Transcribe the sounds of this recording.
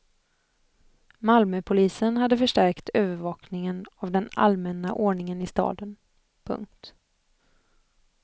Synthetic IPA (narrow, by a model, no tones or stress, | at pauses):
malmœpʰʊliːsənhad̪ːəfœʂʈæɾkt̪øːvəɾvɑːknɪŋənavd̪ɛna̰lmɛnːa̰ʔoːɳɪŋənɪst̪ɑ̰ːd̪ən | pʰɵ̰ŋk̚t̪